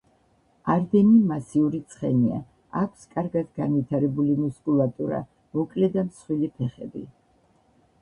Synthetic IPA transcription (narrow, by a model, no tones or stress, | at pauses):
aɾd̪ɛnimasiuɾit̪sʰχɛ̰nia̰ | akʷʰskʼaɾɡad̪ɡanvit̪ʰaɾɛbulimuskʼulˠat̪ʼuɾa̰ | mɔkʼlɛd̪amsχwilipʰɛχɛ̰bḭ